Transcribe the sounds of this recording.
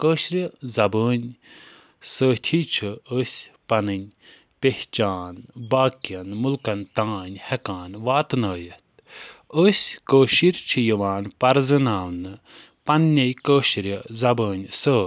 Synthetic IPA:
kəːʃɾʲəzɐbəːnʲ | səːt̪ʰiːt͡ʃʰɨəsʲpɐnɨnʲ | peht͡ʃaːnbaːkiɐnmulkɐnt̪ãːnʲhɐkãːnʋaːt̪nɐːjɐt̪̚ | əsʲkəːʃiɾt͡ʃʰɨjəʋaːnpɐɾzɨnaːwnɨ | pɐnːejkəːʃɾʲɐzɐbəːnʲsəː

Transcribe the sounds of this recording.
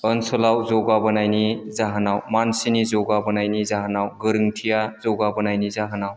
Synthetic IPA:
ənsɔlawzɔɡabənajnizaɦnawmansinizɔɡabənajnizaɦnawɡəɾɯŋʈʰijazɔɡabənajnizaɦnaw

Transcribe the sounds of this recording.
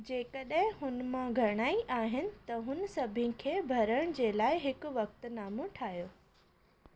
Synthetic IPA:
d͡ʑeːkɐɗɦɪ̃ɦʊnmãɡʱɐɽ̃aːiʔaːɦɪnɪ̆t̪ɐɦʊnsɐbʱɪ̃kʰeːbʱɐɾəɽ̃d͡ʑeːlaːɪɦɪkʊʋɐk̚t̪̆naːmõʈʰaːijoː

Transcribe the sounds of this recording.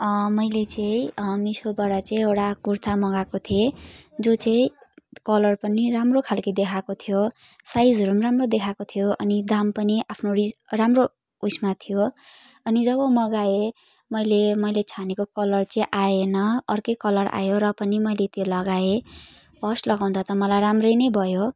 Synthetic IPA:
mʌjlet͡sʌĩmisobʌɽat͡sʌĩeɽakurt̪ʰamʌɡakot̪ʰied͡zot͡sʌĩkʌlʌrpʌniɾamrokʰalkʌd̪ekʰakot̪ʰijo | sajd͡zʱʌɾumramrod̪ekʰakot̪ʰijoʔʌnid̪ampʌniʔapʰnorid͡zramro | usmat̪ʰijo | ʌnid͡zʌβʌmʌɡae | mʌjlemʌjlet͡sʰanekokʌlʌrt͡sʌĩʔaenʌːrkʌjkʌlʌra̰joɾʌpʌnimʌjlet̪jolʌɡae | bʌslʌɡaw̃nd̪ʰʌt̪ʌmʌlajɾamrʌjnʌjbʱʌjo

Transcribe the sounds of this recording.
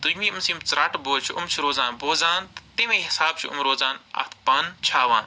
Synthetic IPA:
d̪ujmĩːmɐsiːmt͡sɾaːʈboːt͡ʃʰiʊmt͡ʃʰuɾoːzaːnboːzaːnt̪t̪emẽːɦɪsaːb̚t͡ʃʰuʊ̰mɾoːzaːnɐ̰t̪ʰpɐnt͡ʃʰaːʋaːn

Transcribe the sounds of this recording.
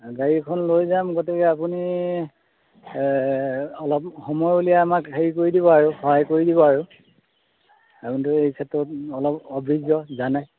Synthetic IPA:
ɡaɹikʰɔnlojzamɡɔtɛkɛapuni | ɔlɔpxɔmɔjulijaːmakɦeɹikoɹidibɔaɹʊxɔɦajkoɹidibɔaɹu | apunitʊejkʰɛtːɹɔtɔlɔpɔbʱɹizɔzanaj

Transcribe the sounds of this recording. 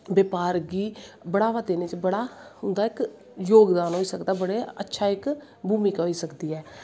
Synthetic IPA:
bəːpaːɾɡiːbəɽaːʋaːt̪eːnet͡ʃbəɽaːhʊnd̪aːɪk | joːɡd̪aːnɦoːiːsəkd̪aːbəɽeːə̰tːʃʰaːɪk | bʱuːmiːkaɦoːiːsəkd̪iːɛː

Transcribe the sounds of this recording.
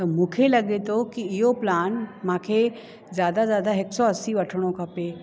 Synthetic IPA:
t̪əɾmukʰelɐɡet̪okiːjoplaːnmakʰe | d͡zjad̪ad͡zjad̪aɦeksɔəsiʋəʈʰɽ̃õkʰape

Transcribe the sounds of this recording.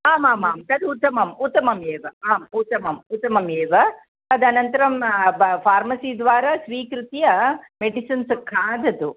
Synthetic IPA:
aːmaːmaːmt̪ɐd̪ut̪ːɐmɐmut̪ːɐmɐmeːʋɐaːmut̪ːɐmɐmut̪ːɐmɐmeːʋɐ | ɐd̪ɐnɐnt̪ɐɾɐmpʰaːɾmɐsiːd̪ʋaːɾasʋiːkɾut̪ijɐmeɖisɐnskʰaːd̪ɐd̪u

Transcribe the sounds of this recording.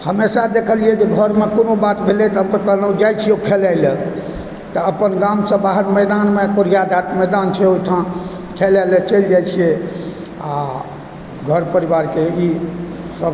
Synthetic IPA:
həmesad̪ekʰəliɛd͡ʒeɡʱəɾmekonobat̪bʱelɛt̪ɦəmkek̪ənəd͡ʒajt͡ʃʰiokʰelajlə | t̪əəpənɡamsə̃baɦəɾmɛd̪anmekoɾjad̪ʱat̪mɛd̪ant͡ʃʰɛojt̪ʰã | kʰelalət͡ʃəld͡ʒajt͡ʃʰije | a | ɡʱəɾpəɾibaɾkei | səb

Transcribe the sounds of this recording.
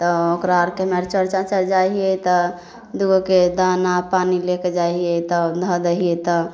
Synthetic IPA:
t̪ɔokɾaɾkemeɾt͡ʃəɾt͡ʃat͡ʃəɾd͡ʒaiɛt̪ɔ | d̪uɡoked̪ʱanapanileked͡ʒaiet̪ɔd̪ʱə̃d̪əɦiet̪ɔ

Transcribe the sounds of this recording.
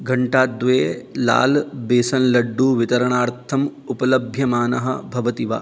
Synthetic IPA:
ɡɐɳʈaːd̪ʋeːla̰ːlbeːsɐnlɐɖːuːʋit̪ɐɾɐɳaːɾt̪ʰɐmupɐlɐbʱjɐmaːnɐɦɐ̰bʱɐʋɐt̪iʋa̰

